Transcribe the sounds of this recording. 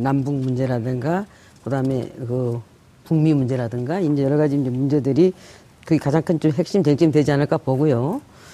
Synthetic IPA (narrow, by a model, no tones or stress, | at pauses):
nambuŋmund͡ʑe̞ɾadɯŋɡa | kɯdaɯme̞̰kɯ | kuŋmimund͡ʑe̞ɾadɯŋɡaind͡ʑe̞jʌɾʌɣad͡ʑind͡ʑomund͡ʑe̞dɯɾi | kɯɡekad͡ʑaŋkʰɯnt͡ɕomɦe̞k̚ɕ͈imtweŋt͡ɕ͈ʰimdwe̞d͡ʑianɯɭk͈apoɡujo